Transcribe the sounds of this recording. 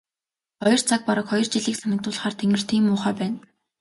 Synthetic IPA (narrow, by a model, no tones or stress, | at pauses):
χɔjɞ̆r̥t͡sʰak̚pɔɾə̆kχɔjɞ̆rt͡ɕiɮiːksanɪ̆k̚t̪ʊːɮ̆χaːrt̪ʰeŋɘ̆r̥t̪ʰiːmʊːχaːpæːn